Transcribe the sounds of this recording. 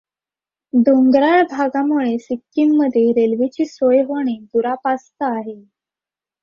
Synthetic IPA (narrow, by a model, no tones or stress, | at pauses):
d̪oŋɡɾaɭbʱaɡamuɭesikːimːəd̪ʱjeɾelʋit͡ɕiːsojɦoɽ̃id̪uɾapast̪aaɦe